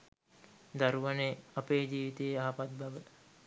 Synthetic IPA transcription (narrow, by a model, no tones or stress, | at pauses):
d̪aɾuʋaneapeːd͡ʒiːʋit̪eːaɦapat̪̚baʋəla